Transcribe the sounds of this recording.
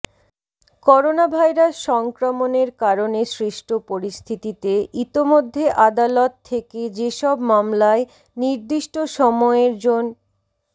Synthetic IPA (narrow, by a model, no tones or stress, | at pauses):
kɔɾonabʱajɾasʃɔŋkɾomoneɾkaɾoneʃɾiʃʈʰopoɾist̪ʰit̪it̪eʔit̪imod̪ʱːeʔad̪alɔt̪ʰːeked͡ʑeʃɔbmamlae | niɾd̪iʃʈoʃɔmɔeɾd͡ʑon